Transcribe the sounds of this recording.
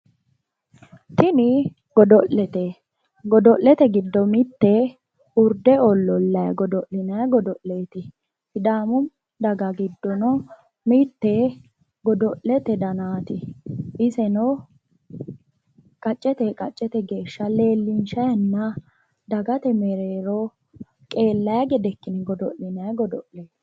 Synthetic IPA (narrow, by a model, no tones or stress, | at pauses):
t̪ɪnɪ | ɡ̥ɔd̪ɔʔɛt̪ɛ | ɡɔd̪ɔʔlɛt̪ɛɡɪd̪ːɔmɪt̪ːɛ | ʊɾd̪ɛɔlːɔlːɐjɐɡɔd̪ɔʔɪnɐjɡɔd̪ɔʔleːt̪ɪ | fɪd̪aːmʊm | d̪ɐɡɐɡɪd̪ːɔnɔ | mit̪ːe | ɡɔd̪ɔʔlːɛt̪ɛd̪ɐnaːt̪ɪʔɪsɛnɔ | kʼɐt͡ʃʼːɛt̪ɛkʼɐt͡ʃʼːɛt̪ɛɡe̞ːʃːɐle̞ːlːɪnʃɐjɐnːɐ | d̪ɐɡɐt̪ɛmɛɾeːɾɔ | kʼe̞ːlːɐjɐɡɛd̪ɛkːɪnɪɡɔd̪ɔʔlɪnɐjɡɔd̪ɔʔleːt̪